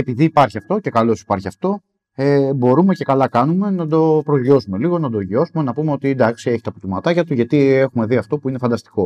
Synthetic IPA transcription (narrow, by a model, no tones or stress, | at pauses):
e̞piðiːpɐɾçiɐft̪o̞ce̞kɐlo̞si̥pɐɾçiɐft̪o̞ | ebo̞ɾume̞ce̞kɐlɐkɐnume̞nɐd̪o̞pɾozʝo̞sume̞liɣo̞nɐd̪oʝio̞sume̞nɐpumeo̞t̪ind̪ɐksie̞çi̥t̪ɐput̪imɐt̪ɐcɐt̪uʝɐt̪ie̞xume̞ðiɐft̪o̞puine̞fɐnd̪ɐst̪i̥ko̞